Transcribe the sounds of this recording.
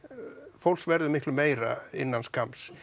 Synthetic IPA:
fowlsvɛɾðɪmɪhk̪lʏmeːjɾa̰ɪnːanskʰams

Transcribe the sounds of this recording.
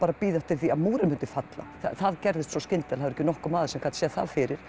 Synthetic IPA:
paːɾapiːðɛft̪ɪɾ̥θiaðmuːɾɪmʏnt̪ɪ̥fat̪la̰θa̰θaðcɛɾðɪst̪sɔscɪnt̪ɛlhaðvɾɛhcɪnɔhkʏmaːðɪsɛmkʰat̪sjɛðθa̰ðfɪɾɪɾ̥

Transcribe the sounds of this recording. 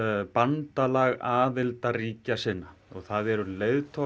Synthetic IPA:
pant̪alaɣaːðɪlt̪ariːcasɪnːaɔɣθaðɛɾʏleːɥðt̪ʰɔ

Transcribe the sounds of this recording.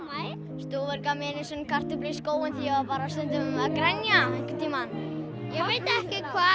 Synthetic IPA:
st̪oɾvɛɾkamɛːnɪsɛnkʰar̥t̪ʏpliskoːwʏnθijɛvapaːɾast̪ɛnt̪ʏmʏmvakɾɛnjaeŋkɪt̪ʰiːman | jɛɣveːjt̪aɛhcɪkʰvaː

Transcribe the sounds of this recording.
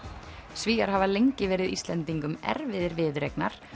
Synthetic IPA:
sviːaɾ̥havalejɲcɪvɛːɾɪðḭst̪lɛnt̪iŋkʏmɛ̰ɾvɪðɪɾvɪðɾejknaɾ̥

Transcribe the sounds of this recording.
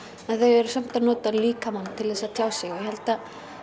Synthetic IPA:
ɛnθœɥɛɾsɛm̥t̪anoːt̪aliːkamanːt̪ʰɪlðɛsaðt̪ʰjaːwsjɛɣjɛhɛlt̪a

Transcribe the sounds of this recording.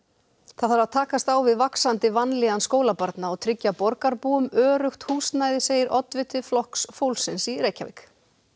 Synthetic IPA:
θaðθaɾaðt̪ʰaːkast̪awvɪðvaksant̪ɪvanːlɛɣanskoːwlapaɾt̪naɔɣt̪ʰɾɪcːapɔɾkaɾpuːʏmœːɾʏxt̪huːsnaːjðɪseːjɪɾʔɔt̪vɪt̪ʰʏflɔhksfowlsɪnsiɾeːjcavɪ̰k

